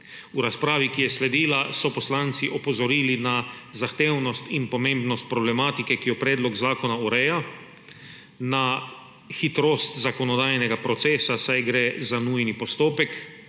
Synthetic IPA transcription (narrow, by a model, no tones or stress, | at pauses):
uɾaspɾaːʋikijɛslɛd̪iːlasɔpɔslaːnt̪siʔɔpɔzɔɾiːlinazaxt̪eːwnɔst̪inpɔmẽmbnɔst̪̚pɾɔblɛmaːt̪ikɛkijɔpɾɛːd̪lɔɡzaːkɔnauɾɛːja | na | xit̪ɾoːst̪zakɔnɔd̪aːjnɛɡapɾɔt̪seːsasajɡɾezanuːjnipɔst̪oːpɛk